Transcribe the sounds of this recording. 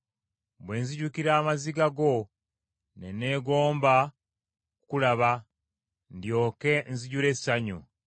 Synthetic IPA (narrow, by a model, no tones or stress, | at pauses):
bwe̞nziɟukiɾaːmaziɡaɡo̞ | nene̞ːɡo̞ːmba | kukulaβa | ndjo̞ːke̞nziɟuɾe̞saɲu